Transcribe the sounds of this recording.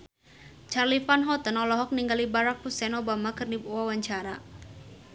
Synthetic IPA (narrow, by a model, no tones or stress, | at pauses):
t͡ʃarlifanɦɔt̪ənɔlɔɦɔk̚niŋɡalibaɾak̚pusɛnobamakɨrndipuwawaɲt͡ʃaɾa